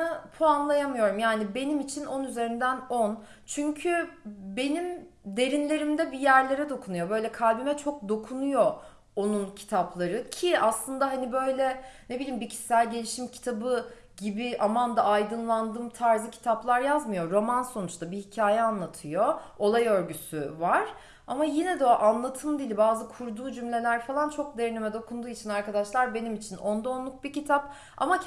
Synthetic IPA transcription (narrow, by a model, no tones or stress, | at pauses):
apʰoanlˠajamɯjo̞ɾumjaːnibe̞nimit͡ʃʰino̞nyze̞ɾind̪æno̞n | t͡ʃʰyɲcʰybe̞nim | d̪e̞ɾinlʲe̞ɾimd̪ɛbijæɾlʲe̞ɾɛd̪o̞kʰunujo̞bø̞jlʲɛkʰalʲbimɛt͡ʃʰo̞k̚d̪o̞kʰunujo̞ | onuncʰi̥t̪ʰaplˠaɾɯcʰiaslˠɯnd̪aɦanibø̞jlʲɛnebilʲːimbicʰi̥sːælʲɟe̞lʲiʃimcʰi̥t̪ʰabɯ | ɟibiʔamand̪aajd̪ɯnlˠand̪ɯːmt̪ʰaɾzɯcʰi̥t̪ʰaplˠaɾjazmɯjo̞ɾo̞manso̞nut͡ʃt̪ʰabihicʰaːjɛanlˠat̪ʰɯjo̞olˠajø̞ɾɟysyvaɾ̥ | a̰majinɛd̪ɛoʔanlˠat̪ʰɯmd̪ilʲbaːzɯkʰuɾd̪uːd͡ʒymlʲe̞lʲæɾfalˠant͡ʃʰo̞k̚d̪eɾnemɛd̪o̞kʰund̪uːit͡ʃʰinaɾkʰad̪aʃlˠaɾbe̞nimit͡ʃʰino̞nd̪aonlˠuk̚bicʰit̪ʰap̚ | a̰ma